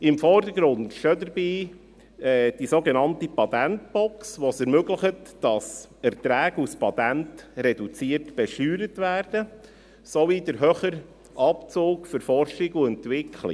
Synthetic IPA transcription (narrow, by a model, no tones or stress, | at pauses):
ɪmfɔrdəɾɡɾʊndʃodəɾbiː | ɛd̥isoɡenɑntipɑt̪ænt̚b̥ɔksʋosɛɾmøɡləχətd̥ɑs | ɛɾtɾæːɡuspɑtæntɾɛdut͡siətb̥ɛʃyːɾətʋæːrd̥ə | sovidəɾɦøχəɾ | ʔɑpt͡soːkfʏɾfɔrʃɪɡuɛntʋɪkʰlɪ̰